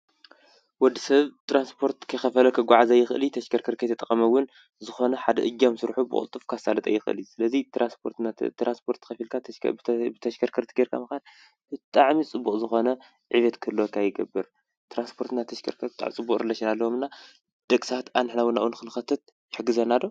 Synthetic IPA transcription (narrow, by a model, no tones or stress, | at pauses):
wɔd̪ːisɐβt̪ʰɾanspʰo̞ɾt̪kʰɐjxɐfɐlɐkʰɐɡʷaʕazajɪxɨʔɨlit̪ʰɐʃkʰɐɾkʰɐɾkʰɐjt̪ʰɐt̪ʼɐχʼɐmɐwːʊn | zɨxo̞nɐħad̪ɐʔɨd͡ʒːamsɨɾħubɨ̰kʼṵlt̪ʼːɨfkʰasalɐt̪ʼa̰jːɪxʔɨ̰lisɨlɐzit̪ɾʔanspʰoɾt̪at̪ɾʔanspʰo̞ɾt̪xɐfilkʰabɨt̪ʰɐʃkʰɐɾkʰɐɾt̪ʰɨɡeɾkʰa̰mɐxal | b̥ɨt̪ʼaʕmit͡sʼɨbːuqʼzɨxo̞nɐ | ʕiβɐt̪kʰɨlːokʰajɪɡɐbɨɾ | t̪ɾanspʰo̞ɾt̪ɨnat̪ʰɐʃkʰɐɾkʰɐɾt̪t̪ʼa̰ʕt͡sʼɨbːuχʼɾɨlɐʃinalːɐwomɨnːa | d̪̥ɐkʼsat̪ʔanɨħnawʊnaʔwunkɨnɨxɐt̪ʰɐt̪̚ | jɪħɨɡɨzɐnad̪o